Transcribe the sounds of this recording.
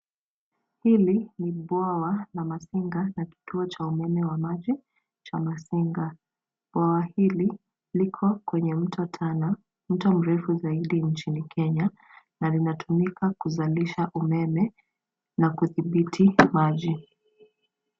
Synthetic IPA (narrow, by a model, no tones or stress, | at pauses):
hiliniɓwawalamasiŋɡanaki̥tuɔt͡ʃaumɛmɛwamaʄi | t͡ʃamasiŋɡa | ɓwawahili | likʰɔkwɛɲɛm̩tʰɔtʰana | m̩tɔm̩ɾɛfuzaiɗiɲt͡ʃinikʰɛɲa | nalinatʰumikakuzaliʃaʔumɛmɛ | nakuθiɓitʰimaʄi